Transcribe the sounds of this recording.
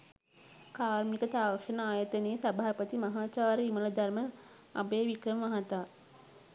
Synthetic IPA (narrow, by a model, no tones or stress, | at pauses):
kaːɾmikət̪aːʋɐkʂɐnəaːjɐt̪əneːsabʱaːpət̪imɐɦaːt͡ʃaːɾəimələd̪ɐrmə | a̰beːʋikɾəmʋɐɦɐt̪aː